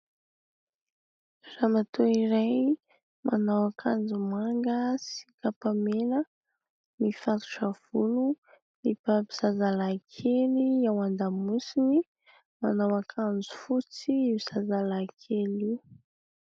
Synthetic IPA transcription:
ramat̪oiɾaj | mʔanawakʰand͡zumaŋɡəsi̥kapamelə | mifat̪u̥ʈ͡ʂav̥ulu | nipabiz̥azalakʰeliawand̪amusini | manawakʰand͡zu̥fut͡sibiz̥azalakʰeliw

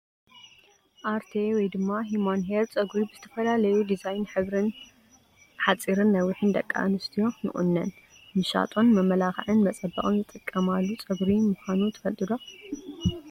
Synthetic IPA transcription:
ʔaɾt̪ʰewɔjd̪ɨmːaɦimanɦeɾt͡sʼɐɡɾibɨzɨt̪ʰɐfɐlalɐjud̪izajnħɨβɾɨn | ħat͡sʼiɾɨnːɐwɨħɨnd̪ɐkʼːa̰ʔnɨst̪ʰijo̞nɨ̰χʼṵnːɐn | mɨʃa̰t̪ʼo̞nmɐmɐlaxʕɨnmɐt͡sʼɐbːɐ̰ʔʼɨnzɨt̪ʼːɨkʼːɐmalːut͡sʼɐɡɾimuxʷanut̪ʰɐ̥fɐlt̪ʼɨd̪o

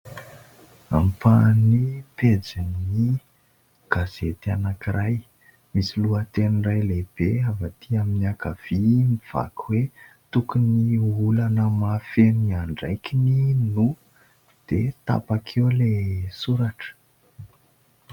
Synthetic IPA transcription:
ampaniped͡zamni | ɡ̥az̥et̪anakiɾaj | misiluət̪enirajleb̥eavat̪ʰiaminiakav̥imiv̥a̰kʰwe | t̪ukuniulanəmafeniaɳɖ͡ʐajkininu | d̪̥et̪a̰pakʰewlesuɾaʈ͡ʂə̥

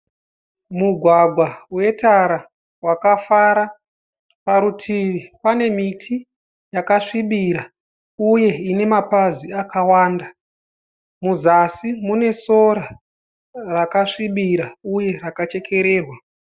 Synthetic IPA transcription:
muɡʱwaɡʱwawe̞taɾa | wakafaɾa | paɾutʰiʋipane̞mitʰi | jakaʂiɓiɾa | uje̞ine̞mapaziakawaːnda | muzasimune̞so̞ɾa | rakaʂiɓiɾauje̞ɾakat͡ʃe̞kʰe̞ɾe̞ːrwa

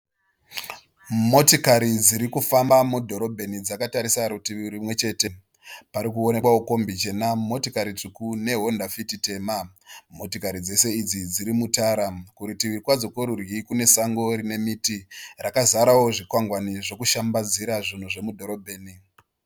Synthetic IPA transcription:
mo̞tikaɾid͡ziɾikufambamudʱo̞ɾo̞bʱe̞nid͡zakataɾisaɾutiʋiɾimwe̞t͡ʃe̞ːte̞ | paɾikuo̞nekwaoko̞mbit͡ʃe̞namo̞tikaɾit͡sukune̞ɦo̞ndafitite̞ːma | mo̞tikaɾid͡ze̞se̞id͡zid͡ziɾimutaːɾakuɾitiʋirikwad͡zo̞koɾurikune̞saŋɡo̞ɾine̞mitirakazaɾawo̞ʐikwaŋɡwaniʐo̞kuʃambad͡ziɾaʐin̤uʐe̞mudʱo̞ɾo̞bʱeːni

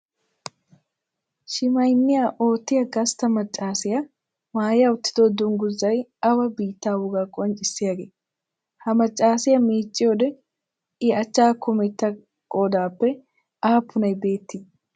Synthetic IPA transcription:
ʃɪmɐjnːɪjaʔoːt̪ːɪjɐɡɐst̪ːɐmɐt͡ʃʼːaːsɪjɐ | maːjjɐʊt̪ːɪ̥d̪ɔd̪ʊŋɡʊzːɐjɐwɐbiːt̪ːaːwʊɡakʼɔnt͡ʃʼɪsːɪjɐɡeː | hɐmɐt͡ʃʼːaːsɪjɐmiːt͡ʃʼːɪjoːd̪ɛ | ɪɐt͡ʃːaːkʊmɛt̪ːɐ | kʼoːd̪aːpːɛ | ʔaːpʰːʊnɐjbe̞ːt̪ːɪ

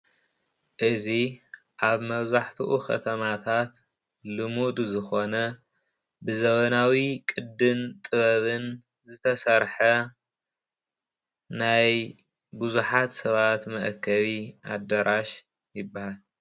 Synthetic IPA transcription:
ʔɨzi | ʔaβmɐβzaħt̪ʰuʔuxɐ̰t̪ʰɐmat̪ʰat̪ | lɨmud̪zɨxo̞nɐ | bɨzɐβɐnawikʼɨd̪ːɨnt̪ʼɨβɐβɨn | zɨt̪ʰɐsɐɾħɐ | naj | buzuħat̪sɐβat̪mɐʔkʰːɐβiʔad̪ɐɾʔaʃ | jɪbːahal

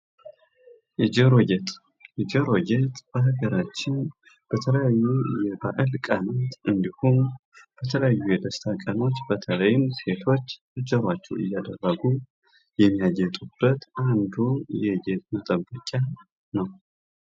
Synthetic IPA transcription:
ʔɨd͡ʒɛɾoɡɛt̪ʼ | ʔɨd͡ʒɛɾo̞ɡet̪ʼb̥əɦɨɡəɾat͡ʃːɪn | b̥ət̪ʰələjajːujɛba̰ʔɨlkʼanat̪ʔɨnd̪ihonb̥ət̪ʰələjajːujɛd̪əst̪ʰakʼəno̞t͡ʃːbət̪ʰələjɨmse̞t̪ʰo̞t͡ʃː | ɨd͡ʒəɾwat͡ʃːɛwɨ̰jːad̪ərːəɡu | jɛmːijaɡɛt̪ʼub̥ːət̪ʔand̪ujɛɡet̪̚mət̪ʼəbːəkʼa | nəw

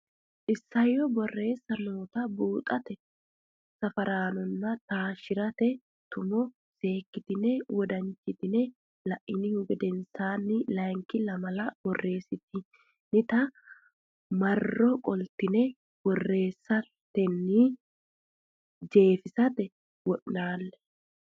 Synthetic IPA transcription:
ʔɪsːɐjɔbɔrːe̞ːsːɐnoːt̪ɐbuːt̪ʼɐt̪ɛ | sɐfɐɾaːnɔnːɐt̪aːʃɪɾɐt̪ɛ | t̪ʊmɔ | se̞ːkːɪt̪ɪnɛwɔd̪ɐnt͡ʃɪt̪ɪnɛ | lɐʔɪnɪhʊɡɛd̪ɛnsaːnːɪlɐŋkɪlɐmɐlɐbɔrːe̞ːsɪt̪ɪ | nɪt̪ɐ | mɐrːɔkʼɔlt̪ɪnɛ | wɔrːe̞ːsːɐ | t̪ːɛnːɪ | d͡ʒe̞ːfɪsɐt̪ɛ | wɔʔnaːlːɛ

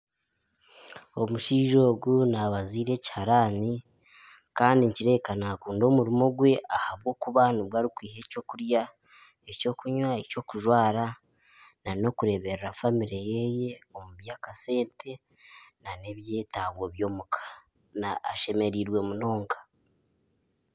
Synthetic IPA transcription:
o̞muʃiːʒo̞ːɡunaβaziːɾe̞ci̥haɾaːni | kaːndiɲciɾe̞ːkanaːkuːndo̞ːmuɾimo̞ɡwe̞ʔahaβɡo̞ːkuβanuβwaːɾikwiːhe̞co̞kuɾja | eco̞ːkuɲwaeco̞ːkuʒwaːɾa | nano̞kuɾe̞βe̞ɾeɾafamiɾe̞jeje̞o̞muβjaːkase̞ːntʰe̞ | nane̞βje̞ːtaɡwoβjo̞ːmukʰḁ | naːʃe̞me̞ɾiɾwe̞muno̞ːŋkḁ

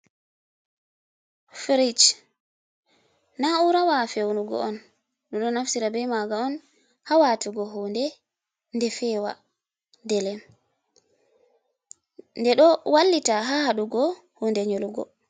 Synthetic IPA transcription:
fɾit͡ʃ | nauɾawafewnuɡɔ̰ʔɔn | ɗuɗɔnafsiɾabɛjmaɡaɔn | hawatuɡɔɦuːndɛ | ndɛfɛːwa̰ | dɛlɛm | ndɛɗɔwalːitaɦahaɗuɡɔ | huːndɛɲoluɡɔ̰

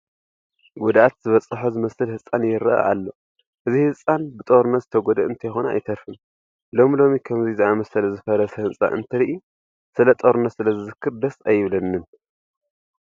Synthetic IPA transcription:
ɡud̪ʔat̪z̥ɨβɐt͡sʼːɨħozɨmɐsɨlhɨsʼanjɪɾɐʔa̰ʔa̰lːo̞ | ʔɨzihɨt͡sʼːanbɨt̪ʼoɾnɐzɨt̪ʰɐɡod̪ɐʔɨnt̪ʰɐjxonɐa̰jt̪ʰɐɾfɨn | lo̞milo̞mikʰɐmziziʔamɐsɐlɐzɨfɐɾɐshɨnsʼa̰ʔɨ̰nt̪ʰɐɾiʔi | sɨlɐt̪ʼoɾnɐsɨlɐzɨzɨkʰːɨɾd̪ɐsajːɪβlɐnːɨn

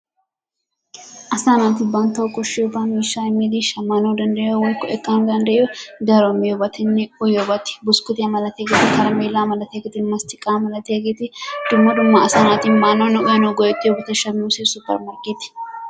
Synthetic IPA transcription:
ʔɐsaːnaːt̪ɪbɐnt̪ɐʊkːɔʃɪʊbaːmiːʃːaːɪmːeːd̪iʃɐmːaːnoːd̪ɐnd̪ɐjowɐlkɔɛkʼːaːnd̪ɐnd̪ɐʔod̪ɐɾomɪjɔbɐt̪ɪnːɛʊjɔbɐt̪ɪ̥bʊskʊt̪ɪɐmɐlɐt̪eɡet̪ɪkɐɾɐmeːlːaːmɐlɐt̪eɡɪt̪ɪnmɐst̪ɪkʼːaːmɐlɐt̪eːɡet̪ɪd̪̥ʊmːɐd̪ʊmːaɐsaːnaːt̪ɪnmaːnonɔʔʊjɐnoɡɔjɛt̪ʼːɪɔbɐt̪ɛʃɐmnusesʊpːɐ̰ɾmɐɾkʼeːt̪ɪ̥

